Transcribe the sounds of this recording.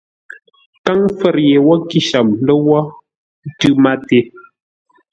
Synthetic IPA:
ka˦ŋfə˦˨ɾje˨wɔ˦ki˦ʃa˨mlə˦wɔ˦ | tʉ˦ma˦te˦

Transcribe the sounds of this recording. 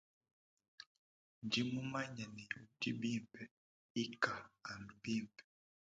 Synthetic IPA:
nd͡ʒi˦mu˦ma˦ɲa˨ni˨di˦bi˦mbɛ˨ | i˦kaː˨ndu˨bi˦˨mbɛ˨

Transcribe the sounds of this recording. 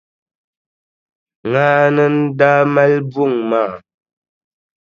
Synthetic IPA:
ŋaː˦nə˦n̩˦da˦ma˦lbu˦˨ŋma˦˨

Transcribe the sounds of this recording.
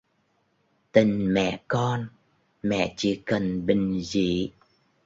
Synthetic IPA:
t̪ï˨˩ŋ̟mɛ̰˧˨kɔ˧n | mɛ̰˧˨t͡ɕḭ˧˥kə˨˩nɓï˨˩ŋ̟zḭ˧˨

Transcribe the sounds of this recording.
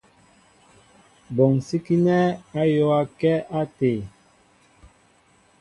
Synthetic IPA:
bɔ˨ŋ˨si˦ki˦nɛ˦a˦jo˦a˦kɛ˦a˦te˨

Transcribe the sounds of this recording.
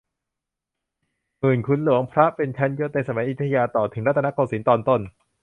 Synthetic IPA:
mɯː˨˩nkʰu˧nlu˨˩˦əŋpʰɾa˦˥ʔpe˧nt͡ɕʰa˦˥njoː˦˥t̪na˧sa˧ma˨˩˦jʔi˨˧˩t̪ʰːa˧jaː˧t̪ɔː˨˩t̪ʰɯ˩˦ŋɾa˦˥t̪ʰːa˥koː˧˩siː˨˩˦nt̪ɔː˧nt̪o˧˩n

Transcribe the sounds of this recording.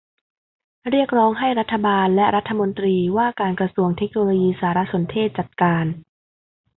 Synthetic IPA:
ɾi˥˩ək̚ɾɔː˦˥ŋɦa˥˩jɾa˦˥t̪ʰːa˧baː˧nlɛ˦˥ɾa˦˥t̪ʰːa˧mo˧nt̪ɾiː˧waː˥˩kaː˧nkɾa˧su˧əŋt̪ʰe˦˥k̚noː˧loː˧jiː˧saː˩˦ɾa˦˥so˩˦nt̪ʰeː˥˩t̪̚t͡ɕa˨˩t̪̚kaː˧n

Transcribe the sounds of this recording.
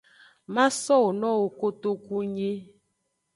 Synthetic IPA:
ma˦sɔ˦˨o˨nɔ˦wo˨ko˦to˦ku˦ɲe˦

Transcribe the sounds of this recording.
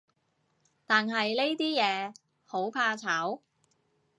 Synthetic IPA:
t̪aː˨nɦɐ˨jle˥jt̪iː˥jɛː˨˧ | ho˨˥wpʰaː˧t͡sʰaː˨˥w

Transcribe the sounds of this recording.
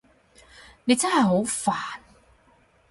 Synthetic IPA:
ne˨˧jt͡sɐ˥nhɐ˨jɦo˨˥wfaː˨˩n

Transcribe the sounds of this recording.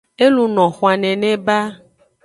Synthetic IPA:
e˦lu˨nɔ̃˨xwa˨nɛ̃˨nɛ̃˦ba˦

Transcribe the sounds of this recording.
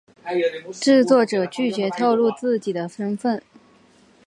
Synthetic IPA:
ʈ͡ʂɻ̩˥˧t͡swɔ˥˩ʈ͡ʂɤ˨˩t͡ɕy˥˩t͡ɕɥɛ˧˥t̪ʰo˥˧ʊlu˥˧t͡sɹ̩˥˩t͡ɕi˨˩d̪ə˦ʂə˥nfə˥˩n

